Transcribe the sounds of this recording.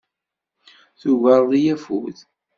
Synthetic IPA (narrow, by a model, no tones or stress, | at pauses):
θuɣəɾˤðijæfṵθ